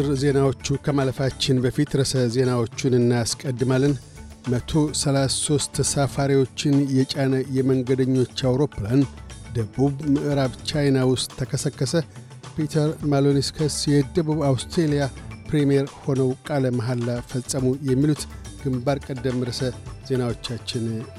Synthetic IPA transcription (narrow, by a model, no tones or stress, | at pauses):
ɨɾze̞nawo̞t͡ʃːukʰəmaləfat͡ʃːɪnbəfit̪ɾəsəze̞nawo̞t͡ʃːunɨnːajaskʼəd̪ːɨmalːɨn | mət̪ʰo̞səlasso̞st̪ʰsafaɾiwo̞t͡ʃːɪnjɛt͡ʃʼanəjɛməŋɡəd̪əɲːo̞t͡ʃːawɾo̞pːland̪əbuβmɨʔɨɾaβt͡ʃʰajnawʊst̪ʰːəkʰəsəkːəsə | pit̪ʰəɾmaloniskʰəsjɛd̪əβuβawst̪ɾelijapɾemijeɾho̞nəwkʼaləmaɦalːafəsʼəmujɛmːilut̪ɡ̥ɨmbaɾkʼəd̪ːəmɾəsəz̥e̞nawo̞t͡ʃːat͡ʃːɪn